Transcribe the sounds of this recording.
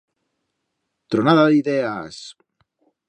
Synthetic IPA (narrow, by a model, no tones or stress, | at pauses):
t̪ɾonaðaðiðeas